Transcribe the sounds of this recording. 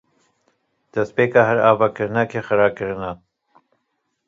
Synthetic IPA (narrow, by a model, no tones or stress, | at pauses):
d̪̥ɛspeːkɑːɦɛɾaːvɑːkɨɾɨnakʰexɨɾɑːkɨɾɨna